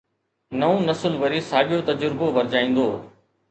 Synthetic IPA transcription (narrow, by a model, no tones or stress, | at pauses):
nɐõːnɐsəlʋəɾiːsaːɠɪjoːt̪ɐd͡ʒʊɾboʋɐɾd͡ʑaːĩːnd̪oː